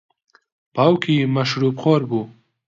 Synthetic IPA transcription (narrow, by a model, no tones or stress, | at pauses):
paːwkʰimaʃɾupχoːɾbu